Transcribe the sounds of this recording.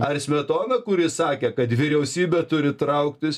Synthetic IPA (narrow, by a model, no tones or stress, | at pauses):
ɐrsʲmʲɛt̪oːnɐkʊɾʲɪsɑːkʲeːkɐt̪ʋʲɪɾʲɛʊsʲiːbʲɛt̪ʊɾʲɪt̪ɾɐʊkt̪ʲɪs